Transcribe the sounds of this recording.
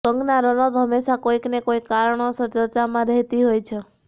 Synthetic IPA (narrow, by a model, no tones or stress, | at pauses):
səŋɡnaɾɔnɔd̪ʱəmeʃakoiknekoikːaɾəɳosəɾt͡ʃəɾt͡ʃamãɾɛɦt̪iɦojt͡ʃʰe